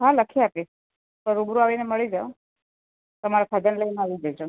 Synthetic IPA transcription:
ɦaləkʰiapi | t̪əɾubɾuaʋineməɭid͡ʒao | t̪əmaɾakʰad̪ənləineaʋid͡ʒəjd͡ʒʰo

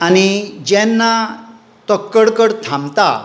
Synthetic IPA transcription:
anid͡ʑɛnːa | t̪ɔkːəɽkəɽt̪ʰãmt̪a̰

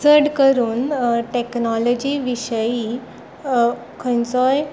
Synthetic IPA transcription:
d͡zəɽkəɾuːnʈeknɔlɔd͡ʑiːʋiɕəjiː | kʰə̃nt͡sɔj

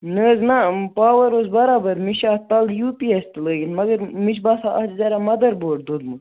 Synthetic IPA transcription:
nəːznɐpaːʋɐɾozbɐɾaːbɐɾmiʃaːt̪ɐljupiest̪ɨləːɡʲinmɐɡɐɾmiʃbaːsaʔɐd͡ʒzɐɾamɐd̪ɐɾboːʈ̚d̪od̪mɨ

